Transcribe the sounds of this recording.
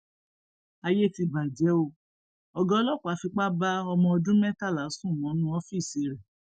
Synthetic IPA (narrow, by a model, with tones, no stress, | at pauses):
a˧je˦ti˧ba˨d͡ʒɛ˨˦o˧ | ɔ˧ɡɔ̃˦lɔ˦˨kʷa˨˦fi˧k͡pa˦ba˦ɔ˧mɔ̃˧ɔ˧dũ˦mɛ̃˦ta˦˨la˨˦sũ˦˨ɔ̃˨˦nũ˦ɔ˦fi˦˨si˧˨ɾɛ˨